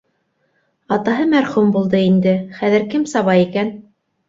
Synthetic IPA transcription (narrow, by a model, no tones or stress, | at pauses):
ɑt̪ɑɦɤmæɾχumbulˠd̪ɤind̪ɘχæðɘɾkɘmsɑβɑjikæn